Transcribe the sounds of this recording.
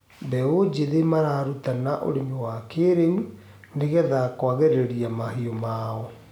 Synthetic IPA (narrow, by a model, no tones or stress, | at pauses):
bɛod͡ʑeðemaɾaɾutanaʔo̰ɾenewakeɾen | neɣɛðakwaɣɛɾeɾiamahiɔmaːɔ